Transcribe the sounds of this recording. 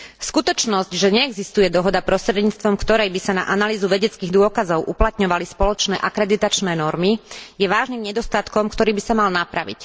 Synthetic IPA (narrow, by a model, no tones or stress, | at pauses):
skut̪ɔt͡ʃnɔzcʒɛɲɛːɡzist̪ujɛd̪ɔɦɔd̪apɾɔst̪ɾɛd̪ɲiːt͡st̪ʋɔmkt̪ɔɾɛjbisana̰ʔanaliːzuʋɛɟɛt͡skiːɣd̪ʊɔkazɔʊʔuplat̪ɲɔʋalispɔlɔt͡ʃnɛːʔakɾɛd̪it̪at͡ʃnɛːnɔɾmijɛʋaːʒnimɲɛd̪ɔst̪at̪kɔmkt̪ɔɾiːbisamalnapɾaʋḭc